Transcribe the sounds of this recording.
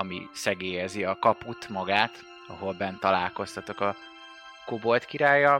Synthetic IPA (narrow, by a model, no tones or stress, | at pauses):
ɒmḭsɛɡeːjɛziɒkɒput̪mɒɡaːt̪ | ɒɦo̞lbɛnt̪ɒlaːlko̞st̪ɒt̪o̞kɒ | kobo̞lt̪kiɾaːjɒ